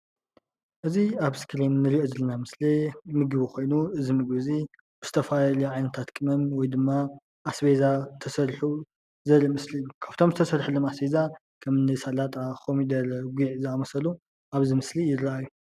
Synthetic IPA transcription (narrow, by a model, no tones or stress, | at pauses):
ʔɨziaβskʰɾinːɨɾiʔozɨlɐnamɨslemɨɡɨβixo̞jnuɨzimɨɡbɨzi | bɨz̥ɨ̥t̪ʰɐfajlɐʕajnɐt̪ʰat̪kʼɨmɐnwɔjd̪ɨmːa | ʔːsbezat̪ʰɐsɐɾħu | zɐlimɨsliɨjːukʰaβt̪ʰo̞mzɨt̪ʰɐsɐɾħulomasbeza | kʰɐmnɨsalat̪ʼakʰomid̪ɐɾɐɡʷiʕzɨamɐsɐlu | ʔaβzimɨslijɪdɾaajːu